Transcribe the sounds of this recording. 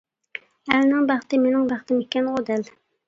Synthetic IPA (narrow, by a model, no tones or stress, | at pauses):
ælnɪŋbæχt̪ɪmenɪŋbæχt̪ʰɪmekʲːɛnʁod̪æl